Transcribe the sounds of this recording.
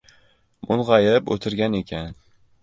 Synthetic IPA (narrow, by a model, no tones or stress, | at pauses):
mʔʊnʁɑjɪpo̰t̪ʰɪɾɡʲane̞kʲʰan